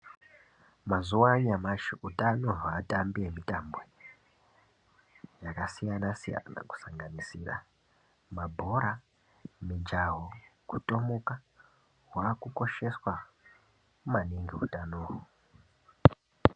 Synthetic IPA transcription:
mazuwaɲamaʃiutanoɦaːtambiemitambe | jakasijanasija̰na̰ku̥saŋɡanisiːra̰ | mabʱo̞ɾa | mid͡ʒaɦokuto̞moka | ɦwakuko̞ʃe̞swa | mumaniŋɡeutanoːɦu

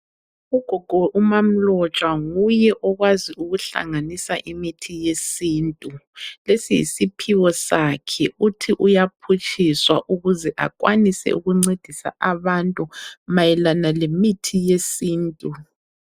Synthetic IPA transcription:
uɡ̥ʱɔɡ̥ʱɔʔumam̩lɔt͡ʃʼwaŋujɛʔɔɣwaziuɣuɬa̰ŋanisaʔimitʰijesiːntʼulesijḭsipʰiwɔsakʰɛutʰiʔujapʰut͡ʃʼiswa̰ʔuɣuzɛʔa̰kʼwa̰nisɛ̰uɣuŋ͡ǀed̥ʱisa̰aβantʼumajɛlanalemitʰijesiːntʼu

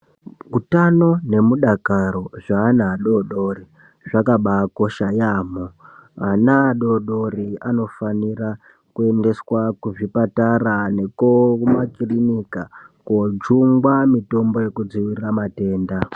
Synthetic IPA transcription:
kutano̞ne̞muɗakaɾo̞ʐaːnaːɗo̞ɗo̞ri | ʐakaɓako̞ʃajaːmoanaːɗo̞ɗo̞ɾiano̞fanira | kue̞nde̞swakuʐipatarane̞komakirinikakod͡ʒuŋɡwamito̞mbo̞je̞kud͡ziwiramate̞ːnda

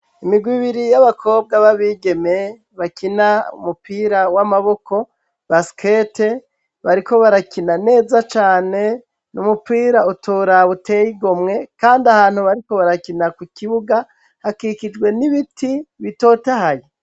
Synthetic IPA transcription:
imiɡwiβiɾijaβakʰo̞ːb̚ɡaβaβiɡe̞me̞ | βakinaṵmupiːɾawamaβo̞kʰo̞ | βaskʰete | βaɾiko̞βaɾakinane̞ːzat͡ʃaːne̞ | numupiːɾautʰoɾaβute̞jiɡomŋe̞kaːndiahaːn̥huβaɾiko̞βaɾakinakwikiβuɡa | hakikid͡ʒɡwe̞niβitʰiβito̞ːtahaje

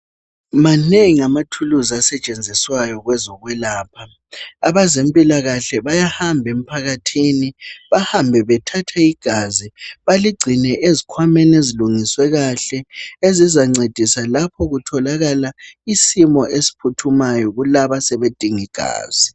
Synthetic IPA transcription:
maneŋiamatʰuluzasɛt͡ʃʼend͡zʱiswajɔɣwɛzɔɣwɛlaːpʰa | aβazempʼilaɣaɬɛβajahambʱem̩pʰaɣatʰiniβahambʱɛβɛtʰatʰaiɡ̥ʱaziβaliɡ͡ǀʱinɛʔezikʰwamɛneziluŋiswɛɣaɬɛezizaŋ͡ǀed̥ʱisalapʰɔɣutʰɔlaɣalaisimɔʔesi̥pʰutʰumajɔɣulaβasɛβed̥ʱiŋiɡ̥ʱa̰ːz̥i

